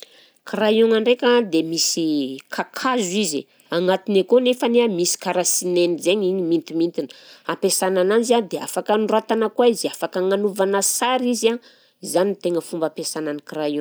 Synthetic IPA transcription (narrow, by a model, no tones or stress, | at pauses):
krajoŋaɳɖ͡ʐekʲad̪emisikʰakʰazuizi | aŋat̪inekonefəneamisi̥kaɾasinenizeɲiɲimint̪imint̪inə̥apesananand͡ʒad̪ea̰fakənrat̪anakwaiziafakəŋanuvanasaɾiza | zanit̪eŋəfumbapesananikrajo